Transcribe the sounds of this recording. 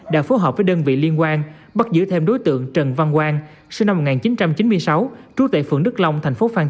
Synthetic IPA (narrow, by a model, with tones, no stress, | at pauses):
ɗa̰ː˧˥fo˨˦jɦɔː˨˩p̚vəː˨˦jɗəː˧nvḭ˧˨li˧ənkwaː˧n | ɓa˦˥t̚zɨ̰˧˥t̪ʰe˧mɗo˨˦jt̪ɨ̰˧˨əŋt͡ɕə˨˩nva˧nkwaː˧n | sɨ˧na˧m̚ː˨˩ŋaː˨˩nt͡ɕi˨˦nt͡ɕa˧mt͡ɕi˨˦nmɨ˧əjsa˨˦wt͡ɕu˧˦˥k̚t̪a̰ː˧˨˩fɨ̰˧˨əŋɗɨ˦˥k̚la˧wŋ͡mt̪ʰjŋ̟fo˨˦faː˧n